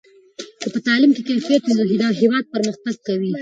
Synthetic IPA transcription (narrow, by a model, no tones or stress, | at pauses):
kəpət̪ɑlɪmkekajfijat̪ud̪əɦɪd̪ɑɦewɑd̪̚pəɾməxt̪aɡ̚kawi